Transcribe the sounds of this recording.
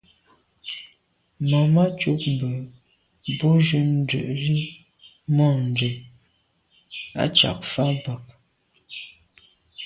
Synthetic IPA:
ma˨ma˦t͡ʃu˦p̚m̩˨bə˨ | bo˦ʒʉ˦n̩˦dʉ̰˨ʔɾi˦ | mɔ˦˨n˨də˨ | a̰˦t͡ʃa̰˨k̚fa˦ba˨k̚

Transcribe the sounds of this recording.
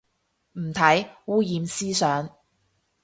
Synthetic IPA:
m̩˨˩t̪ʰɐ˨˥jwuː˥jiː˨˧msiː˥sœː˨˥ŋ

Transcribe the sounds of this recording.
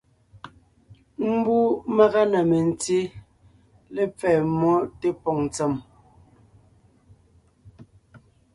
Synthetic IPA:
m̩˦bu˦ma˦ɣa˦na˨me˨n̩˨ti˦ | le˦p͡fɛː˨mɔ˦te˦pɔ˨ŋ˨t͡sɛ˨m

